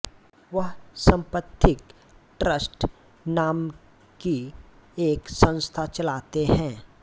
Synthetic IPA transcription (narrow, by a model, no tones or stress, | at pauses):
ʋəɦsɐ̃mpət̪ʰːɪk | ʈɾəsʈ | naːm | kieːksə̃ñst̪ʰat͡ʃɐlaːt̪eɦɛ̃ː